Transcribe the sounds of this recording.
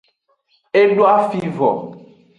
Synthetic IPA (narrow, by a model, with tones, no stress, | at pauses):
e˦ɖo˦a˦fi˦vɔ̰˨